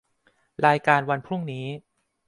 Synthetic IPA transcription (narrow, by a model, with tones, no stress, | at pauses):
ɾaː˧jkaː˧nwa˧npʰɾu˥˩ŋniː˦˥